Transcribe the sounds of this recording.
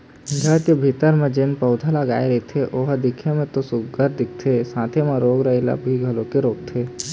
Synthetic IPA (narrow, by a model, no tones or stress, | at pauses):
d͡ʒʱɐt̪jebʱiːt̪əɾmẽd͡ʒenpəʊd̪ʱaləɡaːeɾəet̪ʰeʔoːɦd̪ɪkʰemẽt̪osʊɡəɾd̪ɪk̚t̪ʰesãːt̪ʰemẽɾoːɡɾəɦila̰bʱiɡʱɐlõkeɾoːk̚t̪ʰeː